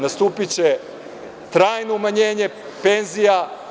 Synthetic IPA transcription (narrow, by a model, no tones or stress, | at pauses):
nast̪uːpit͡ɕe | t̪ɾaːjno̞umaɲe̞ːɲe̞ | penzija